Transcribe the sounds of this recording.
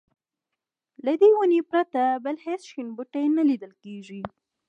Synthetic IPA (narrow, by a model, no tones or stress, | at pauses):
lad̪ewunepɾat̪abəlhesʃinbuʈajnalid̪əlkeʒi